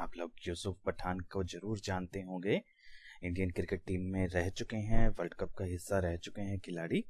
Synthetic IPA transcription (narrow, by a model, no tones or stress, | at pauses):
aːploːɡjuːsʊfbɐʈʰaːnkozɐɾuːɾd͡ʒaːnt̪eɦõːɡeː | ɪ̃ɳɖijənkɾɪkɪʈ̚ʈiːmːẽɾɛɦt͡ʃʊkeɦɛ̃ʋɐlɖkəp̚kaɦɪsːaɾɛɦt͡ʃʊkeɦɛ̃kɪlaːɽiː